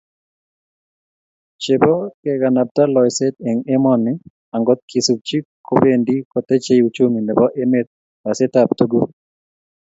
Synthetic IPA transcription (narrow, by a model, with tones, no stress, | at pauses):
t͡ʃe˨bo˦kɛ˨ka˨na˨p̚t̪a˦lɔ˨jsɛ˦t̪e˨ŋe˦mɔ˦nɪ˦ | a˨ŋɡɔ˦t̪̚kʰisu˨k̚t͡ʃi˦kʰːo˦pe˦ndi˦kɔ˨t̪e˦t͡ʃe˦jut͡ʃu˦ŋi˨nɛ˨bɔ˦ʔe˦me˦t̪̚ | wa˨sɛ˦t̪ap̚t̪u˦ɡu˦